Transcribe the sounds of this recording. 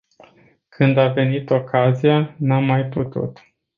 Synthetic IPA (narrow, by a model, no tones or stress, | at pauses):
kʰɨnd̪ave̞nit̪o̞kazijanamːajput̪ṵt̪